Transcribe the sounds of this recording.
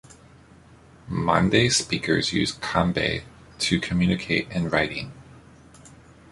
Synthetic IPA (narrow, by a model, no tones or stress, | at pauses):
mɑ̰̃ndeɪspikʰə̰˞zjʉ̰z̥kʰɑ̃mbḛɪ | ɾʰɨkʰɨmjʉnɨkʰeɪɾɨ̃nɹaɪɾɪ̰̃ŋ